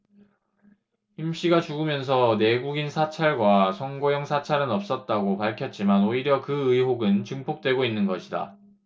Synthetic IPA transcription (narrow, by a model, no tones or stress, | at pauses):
himɕ͈iɡat͡ɕuɡɯmjʌns̬ʰʌne̞ɡuɡinsʰat͡ɕʰaɭɡwasʰʌŋɡojʌŋsʰat͡ɕʰaɾɯnʌp̚s͈ʌt̚t͈aɡopaɭkʰjʌt̚t͡ɕ͈imanoiɾjʌkɯɯiɦoɡɯnt͡ɕɯŋpʰok̚t͈we̞ɡoinːɯnɡʌɕʰida̰